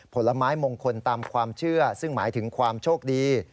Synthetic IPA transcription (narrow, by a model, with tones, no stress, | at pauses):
pʰo˩˦lːa˧maː˦˥jmoː˧ŋkʰo˧nt̪aː˧mkʰwaː˧mt͡ɕʰɯ˥˩ɐsɯ˥˩ŋmaː˩˦jt̪ʰɯ˩˦ŋkʰwaː˧mt͡ɕʰoː˥˩k̚diː˧